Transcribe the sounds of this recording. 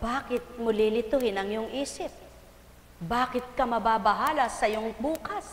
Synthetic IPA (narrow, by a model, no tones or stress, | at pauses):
b̥aːkɪt̪̚mʊlilɪt̪ʊhɪnɐŋjʊŋʔiːsɪp̚ | baːkɪt̪̚kɐmɐbaːbɐɦaːlɐsɐjoŋbuːkɐs